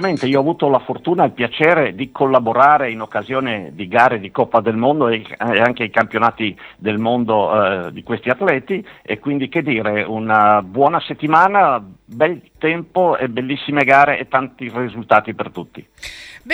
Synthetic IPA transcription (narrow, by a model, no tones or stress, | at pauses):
ment̪eiːoɔavuːt̪olafort̪uːnailpjat͡ʃɛːɾed̪ikʰolːaboɾaːɾeinokːazjoːned̪iɡaːɾed̪ikɔpːad̪elmond̪oeeaŋkeijkampjonaːt̪id̪elmond̪od̪ikwest̪iat̪lɛːt̪iḛkːwind̪iked̪ːiːɾeunabwɔːnaset̪ːimaːnabɛlt̪ɛmpoebelːisːimeɡaːɾeʔet̪ːant̪irizult̪aːt̪ipert̪ut̪ːi